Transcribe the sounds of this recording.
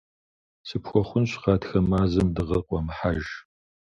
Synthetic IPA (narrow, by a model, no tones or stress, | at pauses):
sɨpxʷɔχʷʊnɕqɑːtxɐmaːzɐmdɨʁɐqʷʼɔmħaʒ